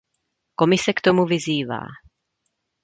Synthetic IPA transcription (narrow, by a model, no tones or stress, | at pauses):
ko̞mɪsɛkt̪o̞muvɪziːva̰ː